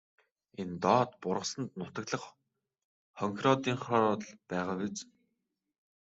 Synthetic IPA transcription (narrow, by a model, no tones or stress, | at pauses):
ent̪ɔːt̪pʊrʁə̆sə̆nt̪nʊt̪ə̆k̪ɮə̆χ | χɔŋkʲrɔt̪iːɴχɔɮpæːʁaːwet͡s